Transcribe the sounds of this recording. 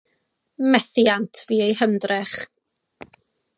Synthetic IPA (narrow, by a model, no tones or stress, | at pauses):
mɛθiantʰviːejhəmdrɛχ